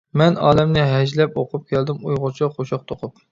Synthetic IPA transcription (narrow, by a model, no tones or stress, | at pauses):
mɛnɑːlɛmnɪɦɛʒlɛpoqʰʊp̚kʲʰɛld̪ɪmujʁʊt͡ʃʰiχoʃɑq̚t̪ʰoqʰʊp̚